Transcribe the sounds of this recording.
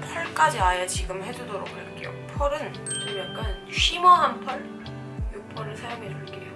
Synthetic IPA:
pʰʌɭk͈ad͡ʑiajʌt͡ɕiɡɯmhe̞d͡ʑudoɾok̚haɭk͈ḛjo̰pʰʌɾɯn | kujak͈an | ɕʰimʌɦampʰʌɭ | juk̚pʰʌɾɯɭsʰajoŋeɾoɭk͈ejo

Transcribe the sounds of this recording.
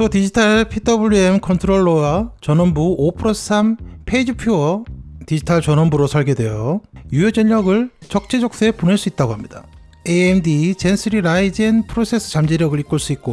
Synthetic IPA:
totid͡ʑitʰaɭpʰitʰʌbuʎːuemkʰʌntʰɯɾoɭːowat͡ɕʌnʌmbuopʰɯɾosʰsʰampʰe̞id͡ʑipʰjoʌtid͡ʑitʰaɭt͡ɕʌnʌmbuɾosʰʌɭɡe̞dwe̞jojujod͡ʑʌʎːʌɡɯɭt͡ɕʌk̚t͡ɕ͈ed͡ʑʌk̚s͈eeponeɭs͈uit̚t͈aɡoɦamɲida | eemdit͡ɕe̞nsʰɯɾiɾaid͡ʑenpʰɯɾosʰe̞sʰɯ̥t͡ɕamd͡ʑeɾjʌɡɯɭik͈ɯɭs͈uik̚k͈o

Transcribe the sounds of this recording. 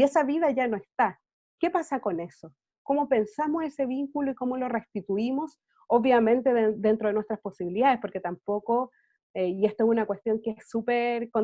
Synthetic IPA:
iesaβiðaʝanoe̞st̪a | kepasako̞ne̞so | ko̞mo̞pe̞nsamose̞se̞βiŋkuloikomolo̞rest̪it̪uimo̞s | oβjamẽ̞nt̪eðed̪ent̪ɾoðenwest̪ɾaspo̞siβiliðaðespo̞ɾke̞t̪ampoko | eie̞st̪oesunakwe̞st̪jo̞ŋkeesːupeɾko

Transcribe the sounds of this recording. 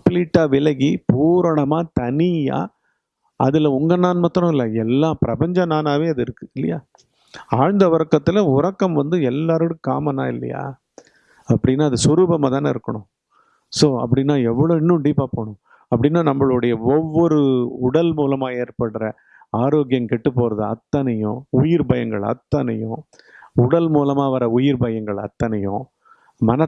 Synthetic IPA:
pliːʈːaːʋɪlɐɣipuːɾɐɳɐmaːt̪ɐnɪja̰ː | ɐ̰ðɪlɐʊŋɡɐnaːnmɐt̪ːɾɔ̃ɪlːɐɛlːãːpɪɾɐpɐɲd͡ʒɐnaːnaːʋeːɐðɯɪɾɯkːɯɪlːɐjaː | aːɻnd̪ɐʋɐɾɐkːɐt̪ːɪlɐʊɾɐkːɐmʋɐnd̪ɯɛlːaːɾɯɽɯ̃ka̰ːmɐnːa̰ːɪ̰lːɐ̰ja̰ː | ɐpːɐɽɪnːaːɐðɯsʊɾuːbɐmaːt̪ãːnɪ̰ɾɯkːɐɳʊ̃ | soːɐ̰p̬ːɐɽɪnːaːɛʋːɐɭoːɪnːɯ̃ɳɖipːaːpoːɳʊ̃ | ɐpːɐɽɪnːaːnɐmːɐɭʊɽɐjɐɔʋːɔɾɯʊɽɐlmuːlɐmaːeːɾpɐɽɾɐ | aːɾoːɡɪjɐmkɛʈːɯpːoːɾɐðɯɐ̰t̪ːɐnɐjʊ̰̃ʊjɪɾbɐjɐŋɡɐɭɐ̰t̪ːɐnɐjʊ̃ | ʊɽɐlmuːlɐmaːʋɐɾɐʊjɪɾbɐjɐŋɡɐɭɐ̰t̪ːɐnɐjʊ̃ | mɐnɐ

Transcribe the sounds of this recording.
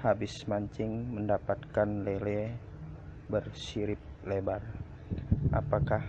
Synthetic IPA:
habɪsmaɲt͡ʃɪŋməndapat̪kanlelɛ | bərsiɾɪp̚lebar | ʔapakah

